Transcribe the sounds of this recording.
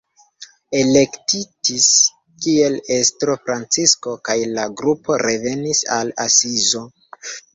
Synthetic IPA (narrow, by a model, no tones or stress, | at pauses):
e̞le̞ktitis | kie̞le̞stɾo̞fɾant͡sisko̞kajlaɡɾupo̞ɾe̞ve̞nisala̰sizo̞